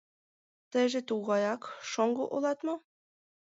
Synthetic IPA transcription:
t̪ə̆ʒĕt̪uɣɑjɑkʃoŋɡoʔolɑt̪mo

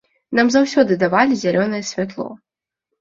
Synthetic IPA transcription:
namzawsʲɔd̪ɨd̪avalʲizʲalʲɔnɐjɛsʲvʲat̪lˠɔ̰

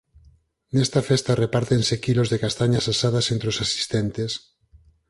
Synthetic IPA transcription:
nɛst̪afest̪arepaɾt̪ensekilozðekast̪aɲasasaðasent̪ɾeosasi̥st̪ent̪es

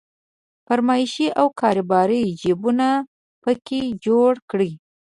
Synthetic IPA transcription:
pəɾmɑʃiʔawkʰɑɾɪbɑɾəjd͡ʒibuna | pəked͡ʒoɽkɽi

